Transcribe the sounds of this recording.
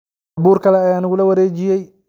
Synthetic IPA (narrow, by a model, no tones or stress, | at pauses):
buːrkʰɐlɛɐjaːnɐɣʊlɐwɐɾeːd͡ʒɪjɛj